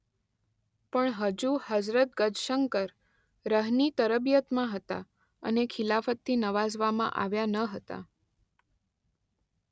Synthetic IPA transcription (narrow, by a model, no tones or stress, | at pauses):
pəɳɦəd͡ʒuhəd͡ʒɾət̪̚ɡəd͡ʒʃəŋkəɾ | ɾəɦnit̪əɾəbjət̪mãɦət̪a̰ | ə̰nekʰɪlafət̪ːinəʋazʋamã̰ʔa̰ʋjanəɦət̪a̰